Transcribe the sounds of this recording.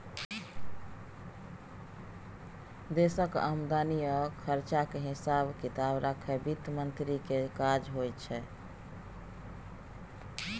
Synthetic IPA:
d̪esəka̰md̪anijəkʰəɾt͡ʃakeɦisabkit̪abɾakʰɛbit̪mənt̪ɾikekad͡ʒɦojt͡ʃʰɛ

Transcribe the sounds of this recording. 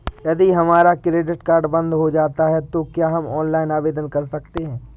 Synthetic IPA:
jɐd̪iɦɐmaːɾakɾeːɖɪʈkaːɾɖbɐ̃nd̪ɦod͡ʒaːt̪aɦɛt̪okjaːɦɐmɔːnlaːɪnaːʋeːd̪ənkɐɾsɐkt̪eɦɛ̃ː

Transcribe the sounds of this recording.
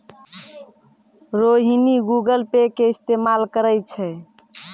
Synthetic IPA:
ɾoɦiniɡuɡəlpekeist̪emalkəɾəjt͡ʃʰɛ

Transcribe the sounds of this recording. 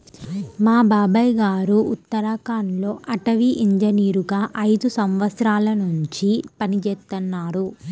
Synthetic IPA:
maːbaːbɐjɡaːɾuut̪ːɐɾakaːnlo̞ːʔɐʈɐʋiʔiɲd͡ʒɐniːɾuɡaːʔɐjd̪usɐmʋɐt̪sɾaːlɐnuɲt͡ʃipɐnit͡ʃɛːt̪ːɐnːaːɾu

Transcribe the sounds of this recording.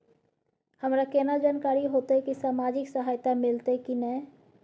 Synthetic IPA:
həmɾakeːnad͡ʒaːnkaːɾiɦoːt̪ekisaːmaːd͡ʒɪksəɦaːjt̪amɪlt̪ekinɛ

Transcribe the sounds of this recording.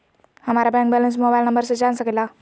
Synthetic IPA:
həmaɾabɛ̃ŋk̚bɛləns̬mobajlnəmbəɾsed͡ʒansəkila

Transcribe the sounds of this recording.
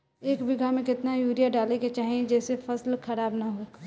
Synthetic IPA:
eːkbɪɡʱamẽkɪt̪najuːɾijaɖaːleket͡ʃaːɦiẽd͡ʒɛːsefɐslkʰɐɾaːbnaɦoːkː

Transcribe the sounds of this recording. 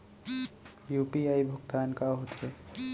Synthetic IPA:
juːpiaːibʱʊɡt̪aːnkaɦot̪ɦɛ

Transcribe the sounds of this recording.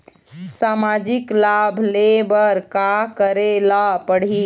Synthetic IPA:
samad͡ʒiklabʱlebəɾkakəɾelapəɽ̤i

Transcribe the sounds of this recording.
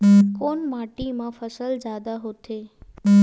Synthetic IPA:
koːnmaːʈimãfəsəld͡ʒaːd̪aɦot̪ʰe

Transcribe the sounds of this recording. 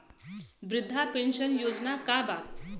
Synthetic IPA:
bɾɪd̪ʱːapenɕənjod͡znakaba

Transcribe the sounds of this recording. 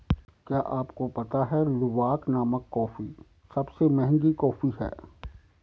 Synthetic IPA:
kjaːʔaːpkopɐt̪aɦɛlʊʋaːknaːməkːɔːfi | sɐbsemɛɦŋɡikɔːfiɦɛ̰ː

